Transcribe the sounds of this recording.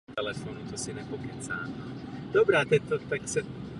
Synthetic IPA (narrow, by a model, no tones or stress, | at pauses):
t̪ɛlɛfonut̪osinɛpokit͡sa̰ːno | d̪̥obɾaːt̪ɛt̪ot̪aksɛ